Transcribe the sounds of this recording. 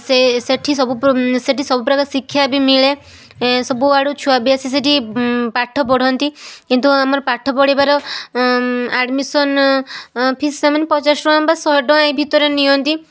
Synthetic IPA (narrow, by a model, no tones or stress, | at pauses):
seseʈʰisɔbuseʈisɔbupɾɔkasikʰːjabimiɭe | sɔbuaɽut͡ʃʰuabiasis̬eʈipaʈʰːɔp̬ɔɽ̤ʱɔnt̪ikint̪uamɔɾɔpaʈʰːɔpɔɽ̤ibaɾɔ | aɖmisɔn | pʰissamanepɔt͡ʃasɾɔɔmbasɔɖɔ̃ebʱit̪ɔɾenijɔnt̪i